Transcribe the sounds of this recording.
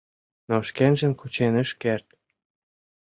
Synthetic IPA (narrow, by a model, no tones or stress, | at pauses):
noʃkenʒə̆mkut͡ɕenə̆ʃkert̪